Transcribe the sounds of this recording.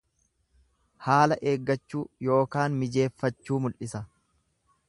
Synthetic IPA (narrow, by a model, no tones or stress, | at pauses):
haːlɐʔe̞ːɡːɐt͡ʃːuːjo̞ːkaːnmɪd͡ʒe̞ːfːɐt͡ʃːuːmʊlʔɪsɐ